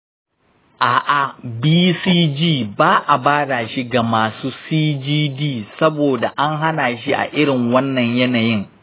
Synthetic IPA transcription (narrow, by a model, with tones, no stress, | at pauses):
ʔaː˨ʔa˨biː˦siː˦d͡ʒiː˦˨baː˦ʔa˨baː˦da˨ʃi˦ɡa˨maː˨suː˦siː˦d͡ʒiː˦diː˦˨sɐ˦boː˨da˨ʔa˦ŋɦa˦naː˨ʃ̬i˦ʔa̰˨ʔɪ˦ɽɪ˨ŋwɐ˦nːɐ˨ɲjɐ˦naː˨jɪ˦ŋ